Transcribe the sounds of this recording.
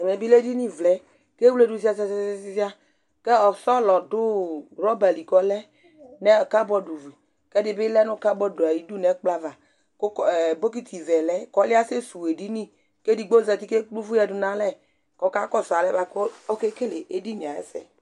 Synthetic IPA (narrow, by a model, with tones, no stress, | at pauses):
mɛ˨bi˦le˦di˦nĩ˦˨vlɛ˨˦ | ke˦wu˦le˦˨du˨s̬i˦a˦sa˦si˦ssi˦si˦a˦ | ke˦ɔ˨sɔ˦lɔ˨dʊ˦ɾɔ˦ba˨li˨kɔ˨lɛ˦ | nɛ˦ɔ˨ka˦bɔ˦du˨vi˨ | kɛ˦dɪ˦be˦lɛ˦nʊ˦˨ka˦bɔ˦du˨a˨ji˦du˦nɛ˨˦k͡pla˦va˨ | ko˦˨bo˦k̬i˦t̪ʰi˨zɛ˨lɛ˦kɔ˦lɪ˦a˦se˦su˨e˨di˦nĩ˦ | ke˦di˨ɡ͡bo˦zɛ˨t̪i˦ke˦u˦vu˦ja˨du˨nã˦lɛ˦ | kɔ˨˦ka˦kɔ˦sa˨lɛ˦ba˨ko˦ɔ˦ke˦ke˦le˨e˦di˦ɲi˨ã˨ɛ̰˦sɛ̰˨